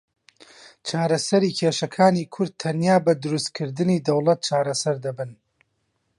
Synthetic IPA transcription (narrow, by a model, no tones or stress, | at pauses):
t͡ʃʰaːɾɐsɐɾiːkʰeːʃɐkʰaːniːkʰʊɾd̪̚t̪ʰɐnjaːbɐd̪ʊɾust̪̚kʰɨɾd̪ɨniːd̪ɐwlˠɐt̪̚t͡ʃʰaːɾɐsɐɾd̪ɐbɨn